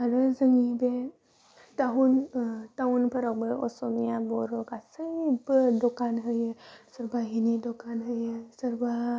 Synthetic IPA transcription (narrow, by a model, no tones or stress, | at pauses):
aɾəzəŋibe | t̪aɦunt̪aunpʰəɾɔkbəo̰somijaboɾokasəbədokanɦəjəsəɾbaɦinid̪okanɦəjəsəɾba